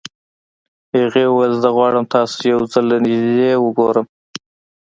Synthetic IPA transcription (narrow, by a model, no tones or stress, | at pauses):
aɣewazd̪aɣwɑɽəmt̪ʰɑso̥jawzəld̪anɪʒd̪ewəɡoɾəm